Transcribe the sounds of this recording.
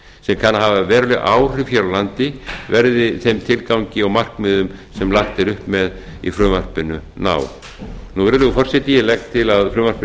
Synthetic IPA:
sɛmkʰanːaɦavavɛːɾʏlɪʔaːwr̥ɪfjɛːɾawlant̪ɪvɛɾðɪθejmt̪ʰɪlkawɲcɪɔɣmar̥kmɪðʏmsɛmlaxt̪ɪɾʏhpmɛð | ḭfɾʏːmar̥pɪnʏna̰ːw | nuvɛɾɾʏɪfɔr̥sɛht̪ijɪlɛxtt̪ʰɪlaðfɾʏːmar̥p

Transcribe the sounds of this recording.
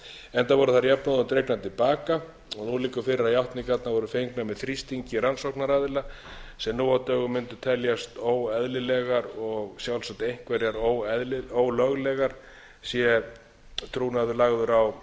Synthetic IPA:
ɛnt̪avɔɾʏθaɾjapnaðʏmt̪ɾejknat̪ʰɪlpaːka | ɔnuliːkʏfɪɾɪɾajawht̪nikat̪navɔɾʏfejŋknamɛðθɾist̪iɲcɪɾansowhknaɾaðla | sɛmnuːawt̪œːɣʏmːɪnt̪ʏ̥t̪ʰɛljast̪oːwɛðlɪlɛɣaɾɔɣsjawlsat̪ejŋ̥kvɛɾjaɾowɛðlɪoːwlœɣlɛɣaɾ̥ | sjɛ | t̪ʰɾuːnaðʏlaɣðʏɾaw

